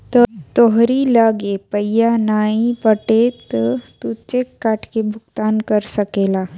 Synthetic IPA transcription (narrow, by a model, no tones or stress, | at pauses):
t̪ət̪oɦɾilaɡepəjanaipəʈet̪t̪ut͡ʃekːaʈkebʱukt̪ankəɾsəkela